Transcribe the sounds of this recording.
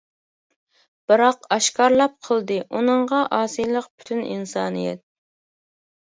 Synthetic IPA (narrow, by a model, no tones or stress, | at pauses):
b̥ɨɾɑqɑʃkɑɾlˠɑp̚qʰəlˠd̪ɨʔunəɴʁɑʔɑːsijlˠəqpʰy̥t̪ʰynḭnsɑːnḭjɛ̰t̪̚